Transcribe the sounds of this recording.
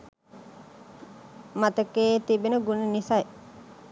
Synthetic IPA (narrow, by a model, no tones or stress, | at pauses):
mat̪ɐkeːt̪ibenəɡunenisɐje